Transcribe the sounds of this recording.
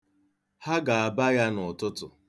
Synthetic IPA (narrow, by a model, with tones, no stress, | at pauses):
ha˦ɡa˨a˨ba˦ja˦nʊ˨tʊ˦tʊ̰˨